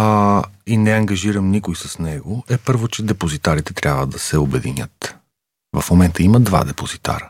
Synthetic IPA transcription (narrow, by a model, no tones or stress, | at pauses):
inɛɐŋɡɐʒiɾəmnikʊjsəsnɛɡoɛpɤɾvot͡ʃɛd̪ɛpozit̪aɾit̪ɛt̪ɾʲjabvəd̪ɐsɛobɛd̪inʲət̪ | vɐfmomɛnt̪əiməd̪va̰d̪ɛpozit̪a̰ɾə